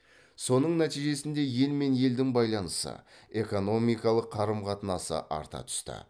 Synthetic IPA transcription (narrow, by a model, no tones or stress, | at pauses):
so̞nəɴnæt̪ijʒe̞sɪnd̪e̞je̞lme̞nje̞ld̪ɪŋbɑjlˠɑnəsə̰e̞ko̞no̞mijkɑlˠəqʰːɑɾəmqʰɑt̪ənɑsə̰ʔɑ̰ɾt̪ɑ̰t̪ʰʏ̥st̪ɪ̰